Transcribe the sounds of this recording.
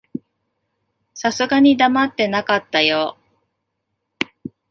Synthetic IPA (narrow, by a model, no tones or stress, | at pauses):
sasɨɡaɲ̟id̪amat̪ːe̞nakat̪ːajo